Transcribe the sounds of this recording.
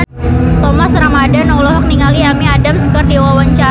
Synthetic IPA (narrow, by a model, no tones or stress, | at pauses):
t̪ɔmasəɾaŋadanɔlɔɦɔk̚niŋaliamiadamsə̥kərdiwawaɲt͡ʃa